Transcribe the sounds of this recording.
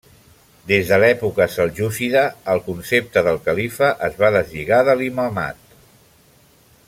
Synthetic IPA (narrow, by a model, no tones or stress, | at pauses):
d̪ezðəlɛpukəsəlˠʒusiðəːlˠkunsep̚t̪əðəlˠkəlifəʔəzβaðəzʎiɣaðəliməlma̰t̪̚